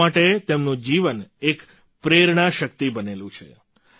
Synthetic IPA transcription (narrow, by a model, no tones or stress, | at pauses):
aʈet̪emnũd͡ʒiʋənek | pɾeɾɳ̃aʃək̚t̪ibənelũt͡ʃʰḛ